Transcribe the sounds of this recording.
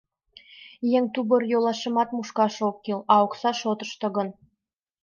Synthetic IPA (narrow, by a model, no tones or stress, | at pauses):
jeŋt̪ubɤ̆rjolˠɑʃɤ̆mɑt̪muʃkɑʃokːilɑoksɑʃot̪ɤ̆ʃt̪ɤ̆ɣɤ̆n